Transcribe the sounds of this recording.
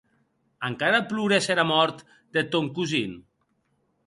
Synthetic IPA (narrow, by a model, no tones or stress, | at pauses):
əŋkaɾalˠpluɣɾeseɾamɔɾt̪ | d̪̥et̪oŋkuzin